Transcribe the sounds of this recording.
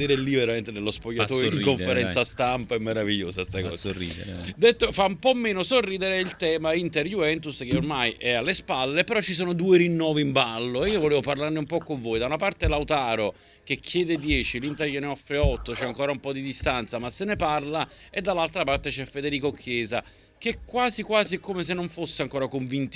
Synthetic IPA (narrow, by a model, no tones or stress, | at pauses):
d̪eːɾelːiveɾament̪enelːospoʎːat̪oːɾeiŋkoɱfeɾɛnsast̪ampaɛmːeɾaviʎːo̰ːsast̪akɔ̰ːsrḭd̪et̪ːofaumpɔmːeːnosorːiːd̪eɾeilt̪ɛːmaint̪eɾjuvɛnt̪uskeormajʔɛalːespalːepeɾɔt͡ʃːis̬oːnod̪uːeɾinːɔːvimbalːoeiːovoleːvoparlaɾneumpɔkːoɱvoːjd̪aunapart̪elawt̪aːɾo | k̟ekʰːjɛːd̪ed̪jɛːt͡ʃilint̪eɾjuneɔfːɾeɔt̪ːot͡ʃɛaŋkoːɾaumpɔd̪id̪ist̪ant̪samasːeneparla | ed̪ːalːalt̪ɾapart̪et͡ʃɛfːed̪eɾiːkokʰjɛːza | k̟ɛkːwaːzikwaːzikomes̬enːoɱfosːeaŋkoːɾakoɱvint̪